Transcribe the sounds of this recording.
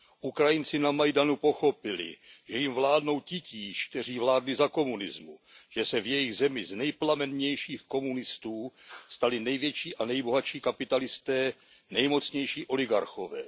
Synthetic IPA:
ʔukɾajɪnt͡sɪnamajdanupo̞xo̞pɪlɪ̰ʒɛjɪmvlaːdno̞wcɪciːʃk̚t̪ɛr̝iːvlaːdlɪzako̞munɪ̰zmuʒ̥ɛsɛvjɛjɪɣzɛmɪznɛjplamɛnɲɛjʃiːxko̞munɪst̪uːst̪alɪnɛjvjɛt͡ʃiːʔanɛjbo̞ɦat͡ʃiːkapɪt̪alɪst̪ɛː | nɛjmo̞t͡sɲɛjʃiːʔo̞lɪɡa̰ɾxo̞vɛ̰ː

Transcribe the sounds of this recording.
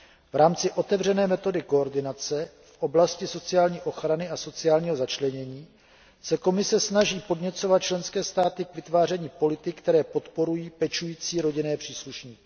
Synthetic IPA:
vɾaːmt͡sɪʔo̞t̪ɛvr̝ɛnɛːmɛt̪o̞dɪko̞ːɾdɪnat͡sɛ | fʔo̞blascɪso̞t͡sɪjaːlɲiːʔo̞xɾanɪʔaso̞t͡sɪaːlɲiːɦo̞zat͡ʃlɛɲɛɲiː | sɛko̞mɪsɛsnaʒiːpo̞dɲɛt͡so̞vat̪̚t͡ʃlɛnskɛːst̪aːt̪ɪkvɪt̪vaːr̝ɛɲiːpo̞lɪt̪ɪkt̪ɛɾɛːpo̞t̪po̞ɾujiːpɛt͡ʃujiːt͡siːɾo̞ɟɪnɛːpr̥iːsluʃɲiːkɪ̥

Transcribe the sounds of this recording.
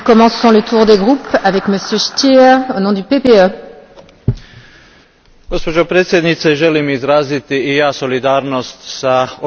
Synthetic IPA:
kɔmɑ̃sɔ̃lət̪ʰuʁd̪eɡʁupavɛkməsjøʃt̪jiɛʁonɔ̃d̪ypepeø | ɡospod͡ʒopɾet̪sjed̪nit̪seʒelimizɾaːzit̪iijaːsolid̪aːɾnost̪sao

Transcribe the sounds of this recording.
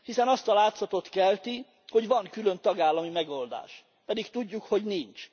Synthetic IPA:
hisɛnɒst̪ɒlaːt̪sɒt̪o̞t̪kɛlt̪i | ho̞ɟvɒŋkylønt̪ɒɡaːlːɒmimɛɡo̞ld̪a̰ːʃ | pɛd̪ikt̪uɟːukho̞ɟnint͡ʃ

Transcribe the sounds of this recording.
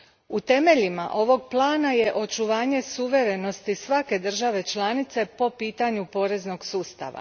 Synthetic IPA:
ut̪e̞me̞ʎimaʔo̞ʋo̞ɡplˠaːnaje̞ʔo̞t͡ʃuʋaːɲe̞suʋe̞ɾe̞no̞st̪isʋake̞d̪r̩ʒaʋe̞t͡ʃlˠanit̪se̞po̞piːt̪aɲupo̞ːɾe̞zno̞ɡsuːst̪a̰ʋa̰

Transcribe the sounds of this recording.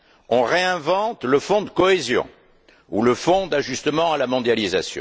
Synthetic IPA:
ɔ̃ʁeɛ̃vɑ̃t̪ləfɔ̃d̪əkɔɛzjɔ̰̃ | ṵləfɔ̃d̪aʒyst̪əmɑ̃alamɔ̃d̪jalizasjɔ̰̃

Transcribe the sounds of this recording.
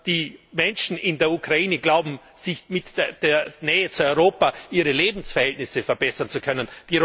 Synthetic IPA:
d̥iːmɛnʃn̩ʔɪndeːɐukʁ̥aiːnəɡlaʊbm̩ | z̥ɪçmɪtːd̥eːɐnɛːət͡suɔʏʁoːpaʔiːʁəleːbm̩sfɛɐhɛltnɪsəfɛɐbɛsɐnt͡sukʰœnənd̥iː

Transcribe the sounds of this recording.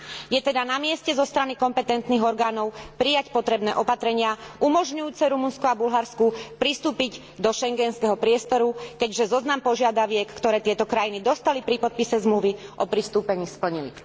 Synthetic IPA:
jɛt̪ɛd̪anamɪɛscɛzɔst̪ɾanikɔmpɛt̪ɛnt̪niːɣɔɾɡaːnɔʊpɾijacpɔt̪ɾɛbnɛ̰ːʔɔpat̪ɾɛɲɪaumɔʒɲujuːt͡sɛɾumunskɔabulɦaɾskupɾist̪uːpiɟ | d̪ɔʃɛŋɡɛnskɛɦɔpɾɪɛst̪ɔɾukɛɟʒɛzɔznampɔʒɪad̪aʋɪɛkkːt̪ɔɾɛːt̪ɪɛt̪ɔkɾajinid̪ɔst̪alipɾipɔt̪̚pisɛzmluʋiʔɔpɾist̪uːpɛɲiːspl̩ɲilḭ

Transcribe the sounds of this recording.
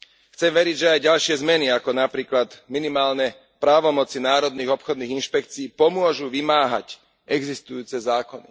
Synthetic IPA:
xt͡sɛmʋɛɾiɟʒɛajɟalʃɪɛzmɛniakɔnapɾiːklad̪minimaːlnɛ | pɾaːʋɔmɔt͡sinaːɾɔd̪̚niːɣɔpxɔd̪niːɣinʃpɛkt͡siːpɔmʊɔʒuʋimaːɦa̰c | ɛɡzist̪ujuːt͡sɛzaːkɔnḭ

